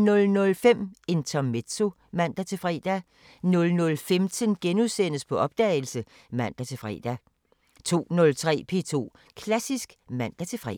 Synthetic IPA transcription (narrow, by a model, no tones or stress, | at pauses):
nɔ̽lnɔ̽lfem̰e̝nt͡sʰɒme̥so̝ | mæn̰d̥æt͡sʰe̝fʁɛ̰ːd̥æ | nɔ̽lnɔ̽lfemt͡sʰənɡ̥enuðˠsen̰əspʰɒ̽ʔɒ̽b̥̚d̥ɛ̰ːɪl̩sə | mæn̰d̥æt͡sʰe̝fʁɛ̰ːd̥æ | t͡sʰo̝̰ːnɔ̽lt͡sʰʁɛ̰ːpʰe̝t͡sʰo̝̰ː | kʰlæsisɡ̥mæn̰d̥æt͡sʰe̝fʁɛ̰